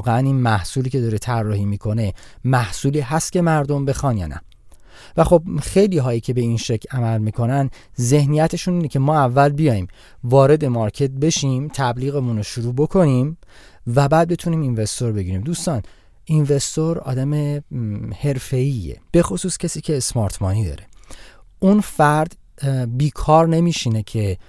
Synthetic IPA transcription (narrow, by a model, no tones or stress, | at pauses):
ɣeæninmæhsuːliːcʰe̞d̪ɒːɾet̪ʰærːɒːhiːmiːkʰo̞ne̞ | mæhsuːliːɦæst̪̚cʰʲe̞mæɾd̪o̞mbe̞xɒːnjɒ̰ːnʔæ̰ | væxo̞bxejliːɦɒːjiːkcʰe̞be̞inʃecʰlæmælmiːkʰo̞nænd | ze̞hnijæt̪ʰe̞ʃuniːnecʰemɒːævːælbijɒːjiːm | vɒːɾe̞d̪e̞mɒɾcʰe̞t̪̚be̞ʃimt̪ʰæbliːɣemunoʃuɾuːbo̞kʰo̞nim | væbæd̪̚be̞t̪ʰuniːminve̞st̪o̞ɾbe̞ɟiːɾiːmd̪uːst̪ɒːn | inve̞st̪o̞ɾɒ̰ːd̪æme | he̞ɾfe̞iːḛb̥e̞xosuːscʰesiːcʰe̞ːsmɒːɾt̪ʰmɒːniːd̪ɒ̰ːɾe̞̥ʔunfæɾd̪̥ | biːkʰɒːɾne̞miːʃine̞cʰe̞